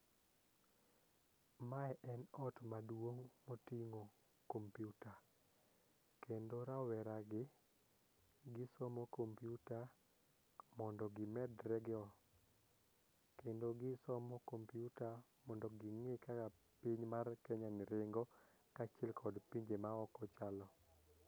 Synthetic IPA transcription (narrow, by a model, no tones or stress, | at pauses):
maɛʔɛnɔtmadwoŋmotiŋo | kompjuta | kʰendoɾawɛɾaɡɪ | ɡɪsɔmɔkompjuta | mɔndɔɡɪmɛdɾɛɡɪɔ | kendoɡɪsɔmɔkompjuta | mɔndɔɡɪŋɪkaka | piɲmarkɛɲanɪɾɪŋɡɔ | kat͡ʃɛlkʰɔdpiɲd͡ʒemaɔkɔt͡ʃalɔ